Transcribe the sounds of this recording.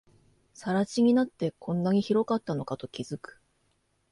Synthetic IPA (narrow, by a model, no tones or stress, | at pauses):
saɾat͡ɕiɲ̟inat̪ːe̞kʰõ̞nːaɲ̟içiɾo̞kat̪ːano̞kat̪o̞kʲizɨkɯ̥